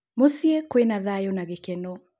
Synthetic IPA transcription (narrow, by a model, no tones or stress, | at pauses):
mosiɛkwenaðajɔnaɣekɛno